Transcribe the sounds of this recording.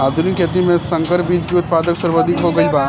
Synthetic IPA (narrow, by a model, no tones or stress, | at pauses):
aːd̪ʱunikɛːt̪imẽsɐ̃ŋkəɾbiːd͡ʒkiʊt̪̚paːd̪əksɐɾbod̪ʱɪkɦoɡɐibaː